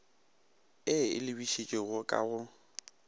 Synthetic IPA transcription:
ɪɪ̰lɪbiʃet͡ʃʼɪɣʊkʼa̰ɣʊ

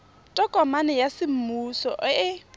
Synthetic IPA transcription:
tʼɔkʼɔmanɛjasɪm̩muːsɔ̰ɪ

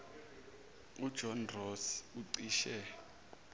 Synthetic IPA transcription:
ud̥ʒ̥ʱɔnrosuǀiːʃɛ

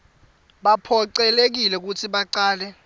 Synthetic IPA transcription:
ɓapʰɔǀɛlek̬ilɛk̬utʰiɓaǀaːlɛ

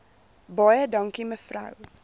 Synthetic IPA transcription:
bɑjədɐŋkiməfrɐ̰w

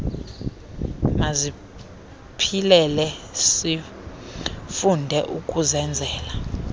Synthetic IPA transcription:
mazi | pʰilɛlɛsi | fundʱɛʔukʼuzɛnd͡zʱɛːla

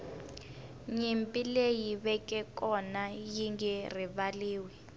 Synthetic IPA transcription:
ɲimpʼilejiβɛkʼɛkʼɔnajiŋɡɛriβaliːwɛ

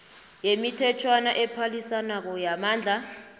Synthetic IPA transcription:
jemitʰɛt͡ʃʰwanaʔɛpʰalisanak̬ɔjamaːnd͡ɮʱa

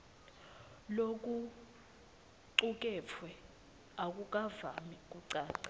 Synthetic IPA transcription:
lok̬ʼu | ǀuk̬ʼɛfʰwɛ | ak̬ʼuk̬ʼavamik̬ʼuǀaːǀḁ

